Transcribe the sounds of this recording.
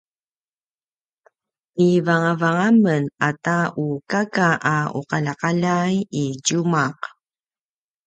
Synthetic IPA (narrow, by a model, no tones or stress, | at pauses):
ivaŋavaŋamənataukakaʔaṵqalaqaʎajiɟumaq